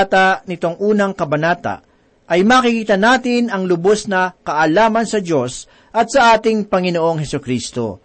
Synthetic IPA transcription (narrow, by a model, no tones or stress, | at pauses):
t̪ɐnɪt̪o̞ŋʔuːnɐŋkɐbɐnaːt̪ɐ̰ | ʔɐjmaːkɪkiːt̪ɐnaːt̪ɪnɐŋlʊbosnɐkɐʔɐlaːmɐnsɐdo̞s | ʔɐt̪̚sɐʔaːt̪ɪŋpɐŋɪnoʔo̞ŋhɛsʊkɾiːst̪o̞̰